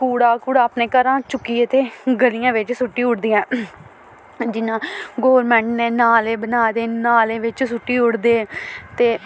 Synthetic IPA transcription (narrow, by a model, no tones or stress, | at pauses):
kuːɽaːkuːɽaːpneːkəɾãːt͡ʃʊkːiːət̪eːɡəlijãːʋɪt͡ʃsʊʈːiːʊɽd̪iːãː | d͡ʒɪnãːɡoːɾmɛ̃ːɳʈneːnaːleːbənaːd̪eːnaːleːʋɪt͡ʃsʊʈːiːʊɽd̪eːt̪eː